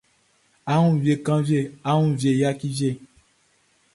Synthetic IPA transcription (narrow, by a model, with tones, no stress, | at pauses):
a˦ŋũ˦ve˨kã˦vje˦˨a˦ŋũ˦vje˨ja˦ki˦vje˦˨